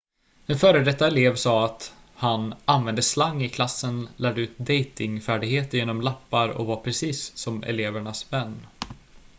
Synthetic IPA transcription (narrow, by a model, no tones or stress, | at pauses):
d̪ɛnfœːɾəd̪ɛt̪ːaɛleːvsɑːat̪ | hanʔanvɛnd̪əslaŋːɪkʰlasːənlæːɖəʉ̟ːt̪̚d̪ɛjt̪ɪŋfæːɖɪɡheːt̪əɾjeːnɔmlapːaɾɔ̰kvaɾpʰɾɛsiːsːɔmɛ̰leːvæɳasvɛnː